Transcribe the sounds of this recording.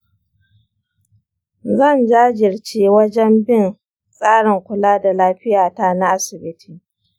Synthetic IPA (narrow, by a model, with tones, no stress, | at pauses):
zɐ˦˨nd͡ʒaː˦d͡ʒɪ˨rt͡ʃeː˦wɐ˦d͡ʒɛ˦mbɪ˦˨n | sʼaː˦ɽɪ˨ŋkʷʊ˨laː˦da˨laː˦ɸɪ˦jaː˨ta˦na˦ʔa˦sɪ˨bɪ˦tʰiː˨